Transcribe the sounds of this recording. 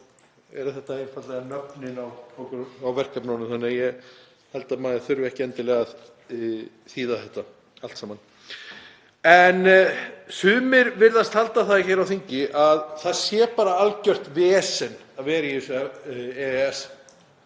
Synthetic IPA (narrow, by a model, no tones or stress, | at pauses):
ɛ̰ɾʏθɛht̪aejnfat̪lɛɣanœpnɪnawɔkʏɾawvɛr̥kapnawnʏmθanːɛjɛ | hɛlt̪amaːðɪθʏɾvɛhcɪɛnt̪ɪlɛɣað | θiːðaθɛht̪a | alt̪saːman | ɛnsʏːmɪɾvɪɾðast̪halt̪aθaðçejɾawθiɲcɪʔaðθaðsjɛːpaːɾaalcœr̥t̪vɛːsɛn | ðvɛːɾajsvɛaɛɛs